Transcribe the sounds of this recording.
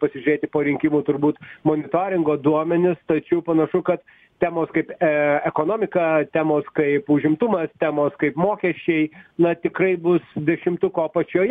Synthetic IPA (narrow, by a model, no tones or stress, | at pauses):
pɐsʲɪʒʲʊɾʲeːt̪ʲɪpoːɾʲɪŋʲkʲɪmuːt̪ʊɾbuːt̪moːnʲɪt̪oːɾʲɪŋɡoːd̪uɔmʲɛnʲɪst̪ɐt͡ʃʲɛʊpɐnɐʃʊkɐt̪ | t̪ʲæːmoːskɐɪpɛɛkoːnoːmʲɪkɐt̪ʲæːmoːskɐɪpʊʒʲɪmt̪ʊmɐst̪ʲæːmoːskɐɪpmoːkʲɛʃʲt͡ʃʲɛɪnɐt̪ʲɪkrɐɪbʊsd̪ʲɛʃʲɪmt̪ʊkoːpɐt͡ʃʲoːj